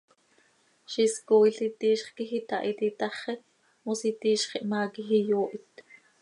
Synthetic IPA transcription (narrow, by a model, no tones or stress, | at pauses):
ʃiskoːjɬit̪iːʃχkixit̪ɑʔit̪it̪ɑχɛ | musit̪iːʃχiʔmaːkixijoːʔit̪